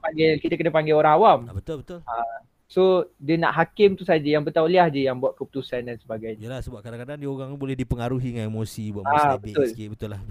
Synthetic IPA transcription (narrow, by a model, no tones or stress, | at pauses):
paŋɡɛlkit̪əkənəpaŋɡɛoɾaŋawambət̪ət̪a | sodəna̰ʔɦakɪmt̪usad͡ʒəjaŋbət̪awliahd͡ʒijaŋbuaʔ̪̚kəput̪usandansəbaɡajɲlasəbap̚kadaŋkadaŋdioɾaŋbolɛhdipəŋaɾuɦiŋanemosibuwaʔabət̪ʊlebət̪ʊlah